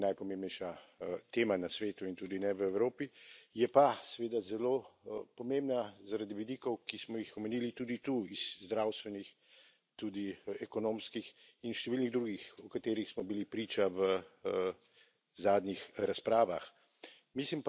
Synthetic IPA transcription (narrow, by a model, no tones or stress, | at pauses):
najpɔmẽmbnɛjʃat̪eːmanasʋeːt̪uint̪uːd̪inɛʋəɛwɾoːpijɛpasɛʋeːd̪azɛloːpɔmembnazaɾad̪iʋid̪iːkɔwkismɔjixɔmɛniːlit̪uːd̪it̪uiz̥zd̪ɾaːwst̪ʋɛnix | t̪ud̪iɛkɔnoːmskixinʃt̪ɛʋiːlniɣd̪ɾuːɡixɔkat̪eːɾixsmɔbilipɾiːt͡ʃaʋə | zaːd̪nɲixɾaspɾaːʋax | mislimp